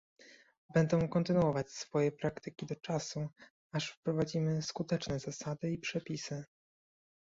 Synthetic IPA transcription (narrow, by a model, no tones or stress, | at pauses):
bɛnd̪ɔ̃w̃kɔnt̪ɘnuɔvat͡ɕsfɔjɛpɾakt̪ɘkʲid̪ɔt͡ʂasu | aʂfpɾɔvad͡ʑimɘskut̪ɛt͡ʂnɛzasad̪ɘipʂɛpʲisɘ